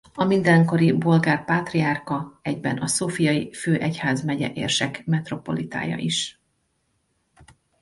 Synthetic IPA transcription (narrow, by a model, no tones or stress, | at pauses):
ɒmind̪ɛŋko̞ɾibo̞lɡaːrpaːt̪riarkɒɛɟbɛnɒsoːfijɒjiføːʔɛchaːzmɛɟɛ̰ʔḛːrʃɛkmɛt̪ro̞po̞̰lit̪a̰ːjɒ̰ʔiʃ